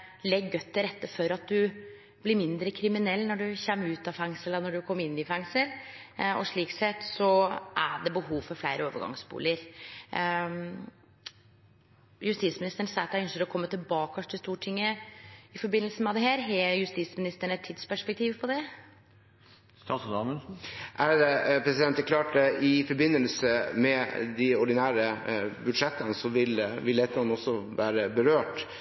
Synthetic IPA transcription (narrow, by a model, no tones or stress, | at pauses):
lɛɡːœt̪ːəɾɛt̪ːəfɔɾɑt̪̚d̪ʉ | b̥lɪɾmɪnd̪ɾəkʰɾɪmɪnɛlːnɔɖʉçɛmːʉːt̪ɑfæŋsələnɔɖʉkʰɔmːɪnːɪfæŋsəlɔ̰ʂɭiːksɛt̪ːsɔʔæɖɛbəɦuːʋfɔɾflæɪɾʔəoːʋə̰ɡɑ̰ŋsbṵːləɾ | jʉst̪iːsmɪnɪst̪əɳn̩sɑːt̪æœnʃəɾɔkʰɔmːət̪ɪlbɑːkɑʂʈ̪ʰɪlst̪uːʈʰɪŋːəɪfɔɾbɪnəlsəmɛd̪ɛɦæːɾɦɛjʉst̪iːsmɪnɪst̪əɳɛt̪ʰːɪd̪spæʂpɛk̚t̪ʰiːʋpʰɔd̪ɛ | st̪ɑːsd̪ɑməʔæɾpʰɾɛsɪd̪ɛnt̪əklɑːʈd̪ɛɪfɔɾbɪnːəlsəmɛd̪ɪɔɖɪnæːɾəbʉd̪ʂɛt̪ːənəsɔʋɪlʋɪlɛt̪əɑnɔsːɔʋæːɾəbəɾøːʈ